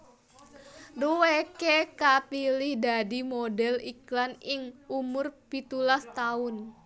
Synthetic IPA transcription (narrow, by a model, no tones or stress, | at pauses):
duwekekapilɪhdadimodɛliklanɪŋumʊrpit̪ulast̪aʊn